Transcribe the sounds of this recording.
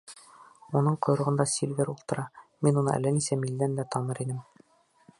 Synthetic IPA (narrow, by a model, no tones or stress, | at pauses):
unɤɴqŏjɾɤ̆ʁɤ̆nd̪ɑsʲilʲvʲeɾulˠt̪ɤ̆ɾɑminunɤ̰ʔæ̰lːænisæmild̪ænd̪æt̪ɒnɤɾinɘm